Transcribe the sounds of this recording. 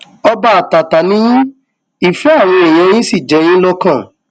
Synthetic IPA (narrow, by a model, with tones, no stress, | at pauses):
ɔ˧ba˦a˨ta˨ta˨nĩ˦ĩ˦ | i˨fɛ˨˦a˦˨w̃ɔ̃˧e˨j̃ɛ̃˧˦j̃ĩ˦si˦˨d͡ʒɛ˨˦j̃ĩ˦lɔ˦kã˦˨